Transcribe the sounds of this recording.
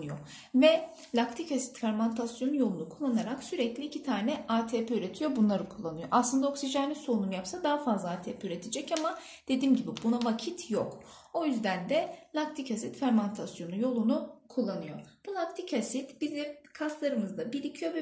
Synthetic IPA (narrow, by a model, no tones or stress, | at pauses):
ɯjo̰ | vɛ | lʲakt̪ʰicasi̥t̪fæɾmant̪ʰasjo̞nujo̞lˠunukʰulˠːanaɾaksyɾɛclʲiːcʰit̪ʰaːnɛaːt̪ʰeːpɛyɾe̞t̪ʰijo̞bunlˠaɾɯkʰulˠːanɯjo̞̰ʔaslˠɯnd̪aoksiʒanʲiso̞numjapsad̪aɦafazlˠaaːt̪ʰeːpʰeyɾe̞t̪ʰed͡ʒɛcama | d̪̥e̞d̪iːmɟibibunavacʰit̪ʰjok | o̞jyzd̪ænd̪ɛlʲakt̪ʰicasit̪fæɾmant̪ʰasjo̞nujo̞lˠunukʰulˠːanɯjo̞b̥ulˠak̚t̪ʰicʰasit̪b̥izɛkʰaslˠaɾɯmɯzd̪abilʲicʰijo̞vɛ